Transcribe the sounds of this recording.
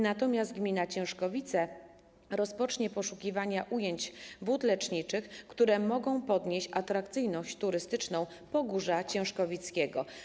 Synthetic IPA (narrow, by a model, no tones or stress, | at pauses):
nat̪ɔmʲjazd̪̚ɡmʲinat͡ɕɛ̃w̃ʂkɔvʲit̪sɛ | ɾɔspɔt͡ʂɲɛpɔʂukʲivaɲaʔujeɲd͡ʑbut̪lɛt͡ʂɲit͡ʂɘxkt̪uɾɛmɔɡɔ̃w̃pɔd̪ɲeɕt͡ɕat̪ɾakt̪sɘjnɔɕt͡ɕt̪uɾɘst̪ɘt͡ʂnɔ̃w̃ | pɔɡuʐat͡ɕɛ̃w̃ʂkɔvʲit̪skʲɛɡɔ̰